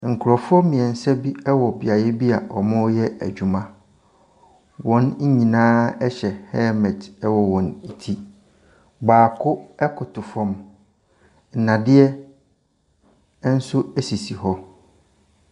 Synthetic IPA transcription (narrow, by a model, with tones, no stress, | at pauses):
ŋ̩˨kʰʊ˨ɾɔ˨fʊ˦ɔ˦mĩ˨ɛ̃˨n̩˨sɛ˦bi˦ɛ˦wɔ˨bɪ˨a˨jɛ˦bi˦a˨ʔɔ˨mʊ̃˦jɛ˦æ̰˨d͡ʑᶣu˨mã˨ | wɔ̃˨˦n̩˦ɲĩ˨nãː˦ɛ˦ɕɛ˨hɛ˦mɛ̃˨dɛ˦wɔ˨wɔ̃˨ni˨tʰi˦ | ɡ͡baː˨kʰʊ˦ɛ˦kʰʊ˨tʰʊ˨fɔ̃˦m | n̩˨nã˨dɪ˦ɛ˦ | n̩˦sʊ˦æ˦si˨si˨hɔ˦